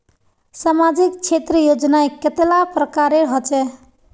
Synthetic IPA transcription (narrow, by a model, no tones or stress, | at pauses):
samad͡ʒikt͡ʃʰet̪ɾəjod͡ʒnaeket̪elapɾəkaɾeɾɦot͡ʃɛ